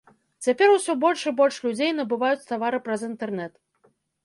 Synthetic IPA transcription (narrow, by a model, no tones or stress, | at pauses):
t͡sʲapʲɛɾwsʲɔbɔlʲʂibɔlʲʂlʲud͡zʲejn̪ɐbɨvajut͡sʲt̪avaɾɨpɾɐzint̪ɛrnɛt̪